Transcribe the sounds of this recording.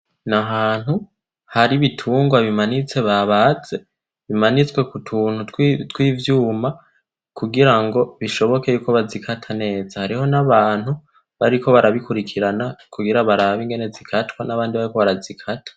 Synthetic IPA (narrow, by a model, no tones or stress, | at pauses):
naɦaːn̥hu | haɾiβitʰuːŋɡwaβimanit͡se̞βaβaze̞ | βimanit͡swe̞kutʰuːnhuttwiːvjuːma | kuɡiɾaŋɡo̞βiʃo̞βo̞ke̞juːko̞βazikʰatʰane̞ːzahaɾiho̞naβaːnhu | βaɾiko̞βaɾaβikuɾikʰiɾanakuɡiɾaβaɾaβiŋɡe̞ne̞zikʰatwanaβaːndiβaɾiko̞βaɾazikʰatʰḁ